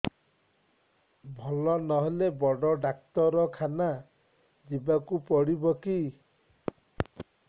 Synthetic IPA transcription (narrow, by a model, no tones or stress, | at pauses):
bʱɔlɔnɔɦelebɔɽɔɖak̚t̪ɔɾɔkʰana | d͡ʒibakupɔɽibɔki